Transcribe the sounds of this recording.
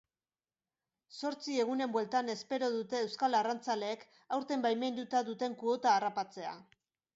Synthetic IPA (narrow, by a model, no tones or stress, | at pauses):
so̞ɾt͡sie̞ɣ̞une̞mbwe̞lt̪ane̞spe̞ɾo̞ðut̪e̞ːwskalarant͡sale̞ːk | awɾt̪e̞mbajme̞nd̪ut̪aðut̪e̞ŋkuo̞t̪aːrapat͡se̞a̰